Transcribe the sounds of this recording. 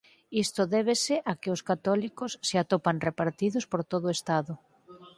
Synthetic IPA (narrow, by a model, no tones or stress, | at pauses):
ist̪ʊðɛβ̞esɪʔakɪʊskat̪ɔlikosːeat̪opaŋrepaɾt̪iðʊspoɾt̪oðoest̪aðʊ